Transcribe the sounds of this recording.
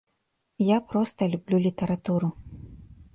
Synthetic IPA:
japɾɔst̪ɐlʲublʲulʲit̪ɐɾat̪uɾu

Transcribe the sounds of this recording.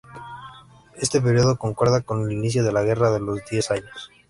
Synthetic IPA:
e̞st̪e̞p̬e̞ɾjo̞ðoko̞ŋkwe̞ɾð̞ako̞neliniθ̬jo̞ðe̞laɣ̞e̞raðe̞lo̞zd̪je̞saɲos

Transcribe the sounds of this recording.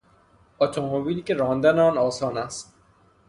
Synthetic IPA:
ɔt̪ʰomobiːliːcʲeɾɒːnd̪æneɒːnɒːsɒːnæst̪

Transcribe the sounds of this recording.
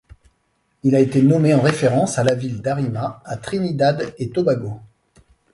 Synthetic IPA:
ilaet̪enɔmeɑ̃ʁefeʁɑ̃salavild̪aʁimaːt̪χinid̪ad̪et̪ɔbaɡo

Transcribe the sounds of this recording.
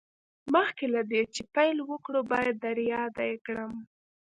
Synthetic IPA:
məxkelad̪et͡ʃepajlwəkɽobɑjad̪̚ːaɾjɑd̪ajkɽəm

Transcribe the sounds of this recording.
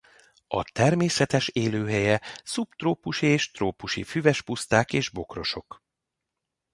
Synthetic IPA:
ɒ̰t̪ɛrmeːsɛt̪ɛʃeːløːɦɛjɛsupt̪roːpuʃieːʃt̪roːpuʃḭfyvɛʃpust̪aːkeːʒbo̞kro̞ʃo̞k

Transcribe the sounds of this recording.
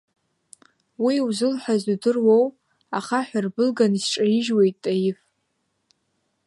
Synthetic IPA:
wiwzɨlħʷᶣazdudɨrwow | aχaħʷᶣarbɨlɡanisʈ͡ʂʼaiʒwejtʼajɪf

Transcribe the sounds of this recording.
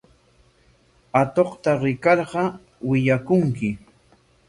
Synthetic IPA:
at̪oqt̪aɾɪkɑɾɢɑ | wɪʎakʊŋkɪ

